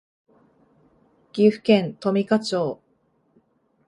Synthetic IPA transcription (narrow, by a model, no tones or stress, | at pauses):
ɡ̥ʲiɸɯ̟̥kẽ̞nt̪o̞mʲikat͡ɕoː